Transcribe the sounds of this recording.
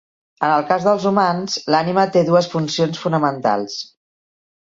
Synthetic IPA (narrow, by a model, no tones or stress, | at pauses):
ənəlˠkazðəlˠzumanz̥lanimət̪eðuəsfunsionsfunəmənt̪a̰lˠs